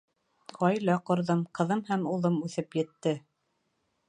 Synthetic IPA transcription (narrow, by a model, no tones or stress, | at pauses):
qɑjlɑqŏɾðɤmqɤ̆ðɤmhæmulˠɤmʉθɘpjɘ̆t̪ːɘ